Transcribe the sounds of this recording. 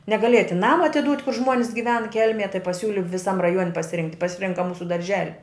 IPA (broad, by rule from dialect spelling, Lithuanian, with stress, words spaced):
nʲɛɡɐˈlʲeːjɛ tʲɪn ˈnɑːmɐ ɐtʲɪˈduːtʲ kʊr ˈʒmoːnʲsʲ ɡʲɪˈʋʲɛn ˈkʲɛlʲmʲeːj tɐɪ pɐˈsʲuːlʲɪ ʋʲɪˈsɐm rɐˈjuɔnʲ pɐsʲɪˈrʲɪŋktʲ pɐsʲɪˈrʲɪŋkɐ ˈmuːsʊ dɐrʲˈʒʲæːlʲɪ